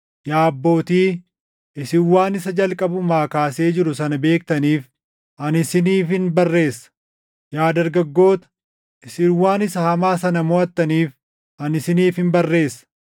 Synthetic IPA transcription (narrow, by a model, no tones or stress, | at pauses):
jaːɐbːo̞ːt̪iː | ɪsɪwːaːnɪsɐd͡ʒɐlkʼɐbʊmaːkaːse̞ːd͡ʒɪɾʊsɐnɐbe̞ːk̚t̪ɐniːf | ʔɐnɪsɪniːfhɪnbɐrːe̞ːsːɐ̥ | jaːd̪ɐɾɡɐɡːo̞ːt̪ɐ̥ | ɪsɪwːaːnɪsɐhɐmaːsɐnɐmɔɐt̪ːɐniːf | ɐnɪsɪniːfhɪmbɐrːe̞ːsːɐ̥